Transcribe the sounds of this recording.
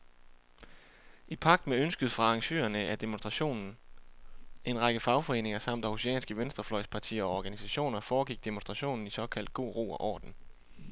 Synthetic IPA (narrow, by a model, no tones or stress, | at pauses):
ipʰɑ̈ɡ̥d̥meønsɡ̥əð̩ˠfʁɑ̈ɑ̈ŋɕø̰ːɐnəæd̥e̝monsd̥ʁɑ̈ɕo̝̰ːnn̩ | ʔe̝nʁɑɡ̥əfɑ̈ʊfɒ̽e̝̰ːneŋɐsɑ̈m̰d̥ɑhoseɛ̰ːnsɡ̥əʋensd̥ʁɐflɒ̽ɪ̰spʰɑ̈t͡sʰḭːɐɒ̽ɒːɡ̥ænisæɕo̝̰ːnɐfɒːɡ̥iɡ̥̚d̥e̝monsd̥ʁɑ̈ɕo̝̰ːnn̩isɒ̽kʰæl̰d̥̚ɡ̥o̝̰ːʁo̝̰ːɒʔɒ̰ːd̥n̩